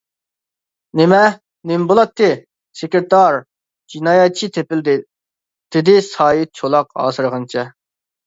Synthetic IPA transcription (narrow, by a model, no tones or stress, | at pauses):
nɪmɛ | nɪmbolˠɑt̪ʰːɨ | sekʲɾɪt̪ɑɾ | d͡ʒinɑːjɛt̪̚t͡ʃʰit̪ʰepɪld̪ɪ | d̪̥ɪd̪ɪsɑːjit͡ʃʰolˠɑqɑ̰ːsɨɾʁɑnt͡ʃʰɛ